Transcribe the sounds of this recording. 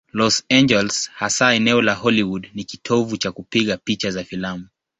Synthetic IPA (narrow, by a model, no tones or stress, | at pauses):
lɔsand͡ʒɛlshasaɛnɛɔlahɔliwudnikitʰɔvut͡ʃakupiɠapit͡ʃazafilamu